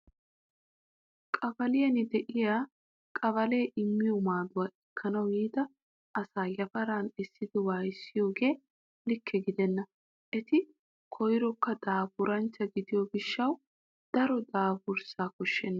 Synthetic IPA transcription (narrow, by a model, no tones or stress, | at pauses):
kʼɐbɐlɪjɐnɪd̪ɛʔɪjaː | kʼɐbɐle̞ːʔɪmːɪjɔmaːd̪ʊwaːʔɛkʰːɐnɐwiːd̪ɐ | ʔɐsaːjɐfɐɾaːnɛsːɪd̪ɪwaːjsːɪjo̞ːɡe̞ː | lɪkʰːɛɡɪd̪ɛnːɐ | ʔɛt̪ɪ | kʰɔjɪɾɔkːɐd̪aːbʊɾɐnt͡ʃːɐɡɪd̪ɪjoɡɪʃːɐw | d̪̥ɐɾɔd̪aːbʊɾsaːkɔʃːɛnːɐ